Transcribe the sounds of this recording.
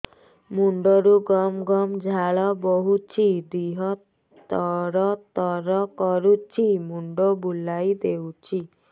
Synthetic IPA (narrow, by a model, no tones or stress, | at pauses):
muɳɖɔɾuɡɔmɡɔmd͡ʒʱaɭɔboɦut͡ʃʰid̪iɦɔ | ɔɾɔt̪ɔɾɔkɔɾut͡ʃʰimuɳɖɔbulajd̪ewt͡ʃʰi